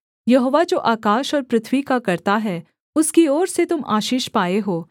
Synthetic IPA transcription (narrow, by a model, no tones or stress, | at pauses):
jɐɦoːʋad͡ʒoːʔaːkaːʃɔːɾpɾɪt̪ʰwikakɐɾt̪aɦɛː | ʊskiɔːɾset̪ʊma̰ːʃiːʃpaːeɦoː